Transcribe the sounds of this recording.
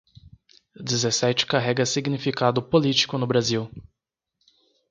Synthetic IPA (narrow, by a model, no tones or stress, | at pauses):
d͡ʒizesɛt͡ʃɪ̥kaɦɛɡɐsiɡnifikad̪ʊpolit͡ʃi̥kʊnʊbɾaziw